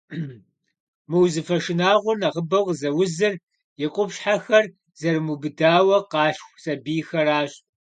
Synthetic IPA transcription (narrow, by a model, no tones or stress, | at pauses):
mɨwzɨfɐʂɪnaːʁʷʊnɐʁəbɐwʁzɐwʊzɨr | jɪqʷʼʊpɕħaxɐr | z̥ɐrmubɨdaːwɐqɑːɬxʷsɐbiːxɐraːɕʼ